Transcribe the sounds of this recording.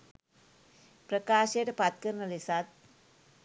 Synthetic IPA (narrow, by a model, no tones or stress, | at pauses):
pɾəkaːʃeʈpat̪̚kəɾnəlisat̪̚